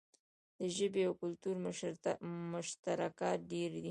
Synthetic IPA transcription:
d̪̥əʒəbeawkʊlt̪uɾ | mʊʃt̪aɾakɑt̪̚ɖeɾd̪i

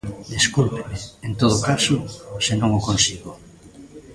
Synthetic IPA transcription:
d̪eskulpemeent̪oð̞okasosenõŋokonsiɣo

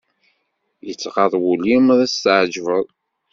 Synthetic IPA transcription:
jət͡sːqɑðˤwulimðˤæst̪ʕd͡ʒvəðˤ

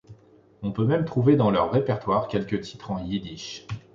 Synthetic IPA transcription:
ɔ̃pømɛmt̪χuved̪ɑ̃lœʁːepɛʁt̪waʁkʲɛlkʲət̪ʰi̥t̪χɑ̃jid̪iʃ

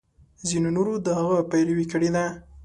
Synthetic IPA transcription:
zinonoɾod̪əhaɣəpajlwikəɽed̪a

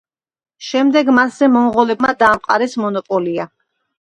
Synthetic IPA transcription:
ʃɛmd̪ɛɡmasz̥ɛmɔmʁɔlɛb̚mad̪aːmqʼa̰ɾɛsmɔnɔpʼɔlia

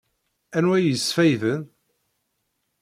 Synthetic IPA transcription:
ænwæjəsfæjðən

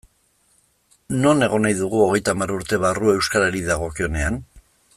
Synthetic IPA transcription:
no̞ne̞ɣ̞o̞najðuɣuo̞ɣ̞e̞jt̪aːmaɾuɾt̪e̞β̞arue̞wskaɾeɾiðaɣ̞o̞kio̞ne̞an

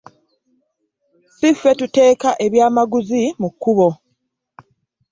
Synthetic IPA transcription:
sifːe̞tute̞ːkaʔe̞βjaːmaɡuzimukːuβo̞

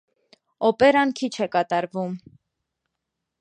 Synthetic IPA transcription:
ɔpɛɾɑnkʰit͡ʃʰɛkɑt̪ɑɾvum

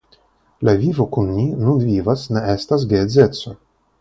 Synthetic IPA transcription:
lavʲivokunmʲinundvʲivasneest̪as̬ɡezet̪so

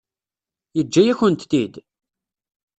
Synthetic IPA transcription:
jəd͡ʒːæjæçənt̪θid̪

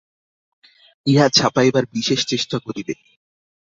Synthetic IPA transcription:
iɦat͡ɕʰapaebaɾbiʃeʃt͡ɕeʃʈakoɾibe

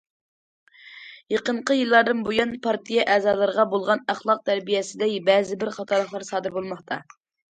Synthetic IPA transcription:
jeqəɴqəjɨlˠːɑɾd̪ɨnbojunpʰɑɾt̪ʰijɛʔɛːzɑːlˠɨɾəʁɑbolˠʁɑnæχlˠɑq̚t̪ʰæɾbijɛsɪd̪ɛkbɛːzɪbɪɾχɑt̪ʰɑɾlˠəχlˠɑɾsɑːd̪ɨɾbolˠmɑχt̪ʰɑ

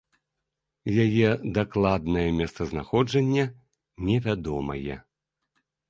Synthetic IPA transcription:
jajɛd̪aklˠad̪nɐjɛmʲɛst̪sɐzna̰xɔd͡ʐɐnʲːɐ | nʲɛvʲad̪ɔmɐ̰jɛ̰

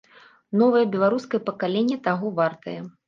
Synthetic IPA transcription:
nɔvɐjɐbʲɛlˠaɾuskɐjɐpɐkalʲenʲːɛt̪aɣɔvart̪ɐjɛ

